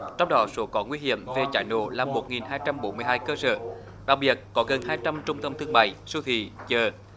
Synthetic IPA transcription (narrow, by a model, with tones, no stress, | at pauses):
t͡ɕɔ˧wŋ͡mɗɔ˨˦so˨˦kɔ˨˦ŋwi˧ɦḭ˧˨əmve˨˩t͡ɕaː˧˩jno̰˧˨laː˨˩mːo˨˩t̚ŋi˨˩nɦaː˧jt͡ɕa˧mɓo˨˦nmɨ˧əjɦaː˧jkəː˧sə̰ː˧˨ | ɗa˨˩k̚ɓi˨˩ət̚kɔ˨˦ɣə˨˩nhaː˧jt͡ɕa˧mt͡ɕʊ˧ŋ͡mt̪ə˧mt̪ʰɨ˧əŋma̰ː˧˨jsu˧t̪ʰḭ˧˨t͡ɕəː˨˩